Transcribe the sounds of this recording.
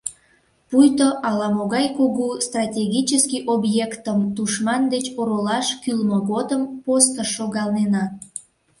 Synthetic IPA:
pujt̪oʔɑlɑmoɣɑjkoɣust̪rɑtʲeɣʲit͡ɕəskiʔobjekt̪əmt̪uʃmɑnd̪et͡ɕoɾolɑʃkylmoɣod̪əmpost̪əʃːoɣɑlnenɑ

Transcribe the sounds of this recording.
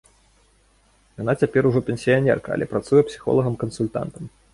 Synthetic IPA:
janat͡sʲapʲɛɾuʐɔpʲɪnʲsʲijanʲɛ̰rkɐɐ̰lʲɛpɾat̪sujɛpsʲi̥xɔ̰lˠɐɣɐmkɐnsulʲt̪a̰nt̪ɐm

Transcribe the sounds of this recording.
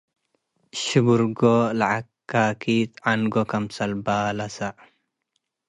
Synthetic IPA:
ʃubuɾɡolaʕakːaːkit̪anɡokɐmsɐlbaːlɐsaʔ

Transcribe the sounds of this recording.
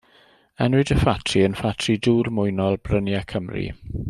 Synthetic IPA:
ɛnwɪdəfatʰriənfatʰriduːrmʊjnɔlˠbrənjakʰəmrḭ

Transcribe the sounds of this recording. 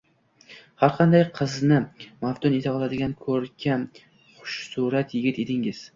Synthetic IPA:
haɾqʰɑnd̪ajqʰɨznɪmaft̪ʰʊnet̪ʰɑlˠad̪ɪɡʲankʰɵɾkʲʰan | χʊ̥ʃsuɾat̪ʰjɪɡʲɪt̪e̞d̪ɪŋɪz̥

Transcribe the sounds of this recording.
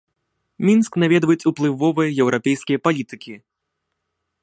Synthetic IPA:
mʲinsknavʲɛd̪vɐjɛt͡sʲuplˠɨvɔvɨjɐjɛwɾʔapʲɛjskʲijɐpalʲit̪ɨkʲi

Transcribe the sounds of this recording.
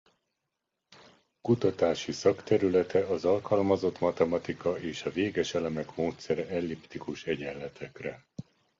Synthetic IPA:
kut̪ɒt̪aːʃisɒkt̪ɛɾylɛt̪ɛɒzɒlkɒlmɒzo̞t̪mɒt̪ɛmɒt̪ikɒʔeːʃɒveːɡɛʃɛlɛmɛkmoːt̪sɛɾɛɛlːipt̪ikuʃɛɟɛlːɛt̪ʰɛkrɛ

